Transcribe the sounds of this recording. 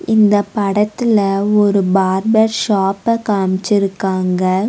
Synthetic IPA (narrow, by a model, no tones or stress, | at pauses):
ɪnd̪ɐpɐɽɐt̪ːɪlɐɔɾɯbaːɾbɐɾʃaːpɐkaːmɪt͡ʃːɪɾɯkːaːŋɡɐ